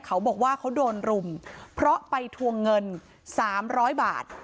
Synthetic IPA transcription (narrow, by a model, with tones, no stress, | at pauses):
kʰa˦˥wbɔː˨˩k̚waː˥˩kʰa˦˥wdoː˧nɾu˧mpʰɾɔ˦˥ʔpa˧jt̪ʰu˧əŋːɤ˧n | saː˩˦mɾɔː˦˥jba̰ː˨˩t̪̚